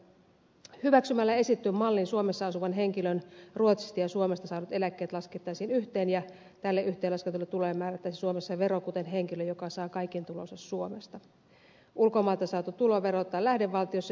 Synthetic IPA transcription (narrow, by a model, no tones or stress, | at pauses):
hyʋæksymælːæesit̪ːyːmmɑlːinsuome̞sːɑɑsuʋɑnɦe̞ŋkilønruot̪si̥st̪ɑjɑsuome̞st̪ɑsɑːnut̪e̞lækːe̞ːt̪lɑsket̪ːɑːsinyht̪eːnjɑ | t̪ælːeʔyht̪eːlːɑskent̪ulet̪ulojmːæːræt̪ːæːsisuomesːɑʋe̞ɾokut̪enɦe̞ŋkiløjokɑsɑːkɑjkent̪ulo̞sessuomest̪ɑ | ʔulkomɑːlt̪ɑsɑːt̪ut̪uloʋe̞ɾot̪ːɑːlæhde̞ʋːɑlt̪iosːɑ